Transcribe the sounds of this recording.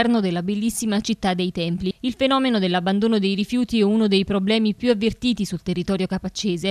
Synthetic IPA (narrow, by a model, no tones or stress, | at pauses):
ɛrnod̪elːabelːisːimat͡ʃit̪ːad̪ːejt̪ɛmpliilfenɔːmenod̪elːabːand̪oːnod̪ejɾifjuːt̪iɛunod̪ejpɾoblɛːmipjuavːert̪iːt̪isult̪erːit̪ɔːɾjokapat͡ʃːeːze